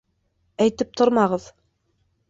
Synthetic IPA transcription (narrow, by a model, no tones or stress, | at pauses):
æjt̪ɘp̚t̪ʰoɾmɑʁɤð